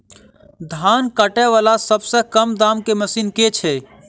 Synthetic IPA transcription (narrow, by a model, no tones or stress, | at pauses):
d̪ʱaːnkəʈɛʋaːlasəbsekəmd̪aːmkeməsiːnket͡ʃʰeː